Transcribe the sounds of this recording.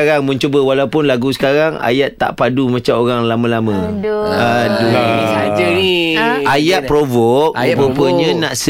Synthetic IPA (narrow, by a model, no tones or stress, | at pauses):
aɾaŋmə̃ɲt͡ʃobəwalaupʊnlaɡusə̥kaɾaŋa̰jat̪ːa̰ʔpadumãt͡ʃamoɾaŋlamə̃lamə̃adu | ajat̪̚pɾovɔk̚pəpəɲə̃nãʔsə